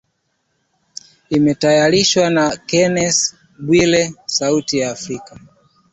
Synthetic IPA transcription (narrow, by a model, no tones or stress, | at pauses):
imɛtajaɾiʃwanakɛnɛs | ɓwilɛsautijaːfɾika